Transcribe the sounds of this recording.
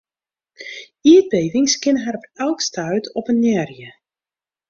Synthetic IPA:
iət̚beːvɪŋskɪnəɦɛɾpɛlˠkstʰœɥtʰɔpənjɛrjə

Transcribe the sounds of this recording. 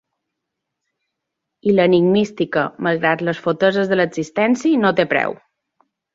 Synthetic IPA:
iləniɡmist̪ikəməlˠɣɾat̪ləsfot̪əzəzðələɡz̥ist̪ɛnsinot̪epɾɛ̰w

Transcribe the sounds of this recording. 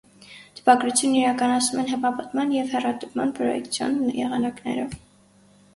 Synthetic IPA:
t̪ʰə̥pɑɡɾut͡sʰjunːiɾɑkɑnɑt͡sʰnumɛnɦɛpɑpət̪mɑnjɛvhɛrɑt̪əvmɑ̰npʰɾɔjɛ̰kt͡sʰjɑ̰njɛ̰ʁɑnɑknɛ̰ɾɔv

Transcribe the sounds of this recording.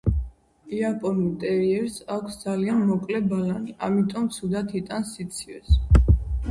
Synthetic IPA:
iapʼɔnut̪ʼɛɾiɛɾsakʰsd̪zalianmɔkʼlɛbalaniamit̪ʼɔmt̪sʰud̪at̪ʰit̪ʼansːit̪sʰivɛs

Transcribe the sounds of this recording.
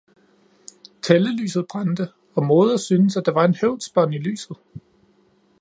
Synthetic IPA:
t͡sʰeləly̰ːsð̞̩ˠb̥ʁɑnd̥ə | ɒ̽mo̝ːð̞ˠɐsyːnəsæd̥ɑ̈ʋɑ̈e̝nheʊ̰d̥sb̥ɐnily̰ːsð̞̩ˠ

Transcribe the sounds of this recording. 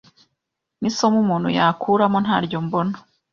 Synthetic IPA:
niso̞mumuːn̥hṵjakʰuːɾamo̞nɦaːɾɟo̞mbo̞no̥

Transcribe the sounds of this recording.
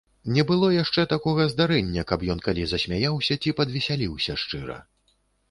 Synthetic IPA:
nʲɛbɨlˠɔjaʂt͡ʂɛt̪akɔɣɐzd̪aɾɛnʲːɐkɐpjɔnkalʲizɐsʲmʲajawsʲɐt͡sʲipɐd̪vʲɛsʲalʲiwsʲɐʂt͡ʂɨɾɐ̰

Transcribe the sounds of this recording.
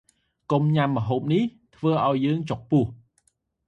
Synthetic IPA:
komɲamːə̆ɦoːp̚niht̪ʰʋəːʔaɔjːəːŋt͡ɕok̚pʊəh

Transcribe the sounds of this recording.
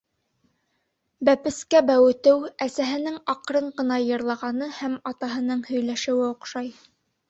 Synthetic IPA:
bæpɘ̆skæbæwɘ̆t̪ɘwæsæɦɘ̆nɘŋɑqɾɤɴɢɤ̆nɑjɤ̆ɾlˠɑʁɑnɤhæmɑt̪ɑɦɤ̆nɤɴhɵ̆jlæʃɘ̆wɘŏqʃɑj

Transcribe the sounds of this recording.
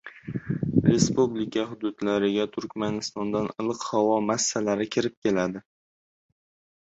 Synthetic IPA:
ɾe̞spublɪkʰʲaɦʊd̪ʊd̪laɾɪɡʲat̪ʰʊɾkʲmanɪst̪ɒnd̪anɨlˠɨqhawɒmasːalaɾɪkʲʰɪɾɪp̚kʲe̞lad̪ɪ

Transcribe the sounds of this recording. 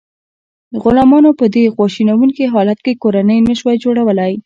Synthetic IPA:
əɣʊlɑmɑnopəd̪eɣwɑʃinawuŋkiɦɑlat̪̚kekoɾanəjnəʃwajd͡ʒoɽawəlaj

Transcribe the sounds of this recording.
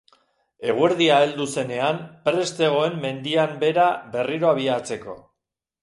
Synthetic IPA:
e̞ɣ̞weɾðiaeld̪use̞ne̞ampɾe̞st̪e̞ɣ̞o̞e̞mːe̞nd̪iambe̞ɾabe̞riɾo̞aβiat͡se̞ko̞̰

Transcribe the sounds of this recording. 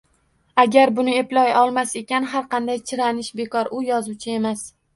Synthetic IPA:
aɡʲaɾbʊnɪe̞plɒjɒlˠmase̞kʲanɦaɾqʰɑnd̪ajt͡ʃʰɪɾanɪʃbe̞kɒɾʊjɒzuwt͡ʃʰɪe̞mas

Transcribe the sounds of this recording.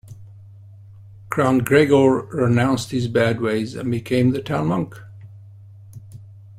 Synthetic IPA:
kʰɹ̥ɑ̃nɡɹeɡɔɹɹɪnãʊ̃nst̚hɨzbæd̚weɪzɨ̰̃nbɨkʰẽɪ̃mðɨtʰãʊ̃nmʌ̃ŋk

